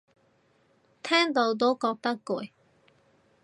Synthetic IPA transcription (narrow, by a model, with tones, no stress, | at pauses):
t̪ʰɛː˥ŋt̪o˧˥wt̪̬o˨˥kɔː˧k̚t̪ɐ˥kku˨˩j